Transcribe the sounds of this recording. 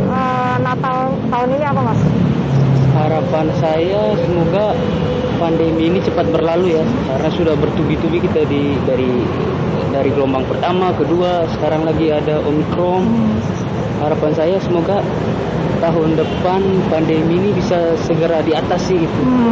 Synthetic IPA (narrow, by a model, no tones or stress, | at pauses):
ə | nat̪aʊnt̪aʊniniapamas | əɦaɾapansaja | səmoɡa | pandemiːnit͡ʃəpat̪̚bərlaluja | kaɾənasudahbərt̪ubit̪ubikit̪adi | daɾi | daɾiɡəlɔmbaŋpərt̪amakəduasə̥kaɾaŋlaɡiadaʔomikɾɔm | haɾapansajasəmoɡa | t̪aɦʊndəpanpandemiːnibisasəɡəɾadiat̪asiɡit̪u